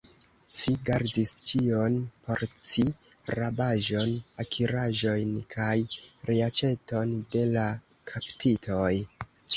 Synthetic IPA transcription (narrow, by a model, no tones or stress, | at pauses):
ʃiɡaɾdist͡ʃio̞npʰo̞ɾt͡si | ɾabaʒo̞nakʰiɾaʒo̞jnkʰajɾeat͡ʃe̞to̞nde̞la | kʰaptʰitʰo̞j